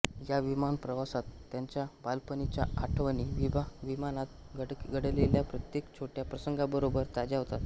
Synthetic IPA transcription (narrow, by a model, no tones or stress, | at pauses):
jaʋimanpɾəʋasat̪ːjaɲt͡ɕjabalpənit͡ɕjaaʈʰʋəniʋibaʋimanat̪̚ | ɡəɽɡəɽleljapɾət̪jekt͡ɕʰoʈjapɾəsəŋɡabəɾobəɾt̪ad͡ʑaɦot̪at̪